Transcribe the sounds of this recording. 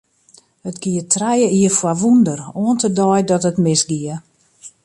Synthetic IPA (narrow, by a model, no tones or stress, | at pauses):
hətɡiətʰrɛjəiəfwaʋundəroəntədɔjdɔtətmɪsɡiə